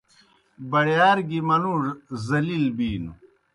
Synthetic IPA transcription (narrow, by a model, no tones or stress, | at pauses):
bɐɽjaːɾɡimɐnuɾzɐlilbiːnu